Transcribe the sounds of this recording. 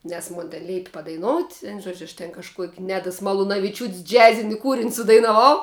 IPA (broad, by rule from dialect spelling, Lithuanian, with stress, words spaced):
nʲɛs ˈmʊn tʲɛn ˈlʲɛɪpʲɪ pɐdɐɪˈnoːʊtʲ ˈʋʲæːnʊ ˈʒuɔd͡ʒʲʊ ɐʃ tʲɛn kɐʃˈkuɔkʲ ˈnʲæːdɐs mɐlˠʊnɐʋʲɪˈt͡ʃʲuːtʲsʲ ˈd͡ʒʲæːzʲɪnʲɪ ˈkuːrʲɪnʲ sʊdɐɪnɐˈʋɐʊ